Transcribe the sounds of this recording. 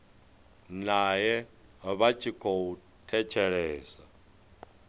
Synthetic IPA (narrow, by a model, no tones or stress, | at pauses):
najɛβat͡ʃʰʼikʰɔwu | tʰɛt͡ʃʰɛɺɛːsa